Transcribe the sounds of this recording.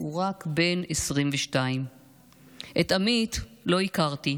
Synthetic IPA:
uʁakbe̞nesʁimveʃtaim | ʔet̪amitlo̞ikaʁti

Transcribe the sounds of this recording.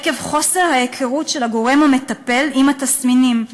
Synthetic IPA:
ke̞vχo̞se̞ʁhajekʰeʁutʃelaɡo̞ʁemhame̞t̪ɐpe̞limat̪asminim

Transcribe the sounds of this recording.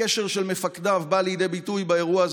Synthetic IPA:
eʃe̞ʁʃelmefakdavbalijide̞jbitujbaeʁuaaz

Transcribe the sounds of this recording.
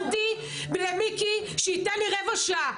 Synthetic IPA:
t̪i | belemiki | ʃɛit̪ɛnliʁevoʃa

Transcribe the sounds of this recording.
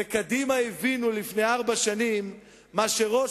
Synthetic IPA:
ekad̪imaivinulifne̞jaʁbaʃanimː | aʃeʁo̞

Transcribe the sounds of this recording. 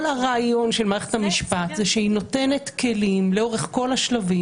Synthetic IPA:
laʁaːjo̞nʃelmaːʁeχethamiʃpat̪zeʃeino̞te̞ne̞tke̞limleo̞ʁeχko̞laʃlavi

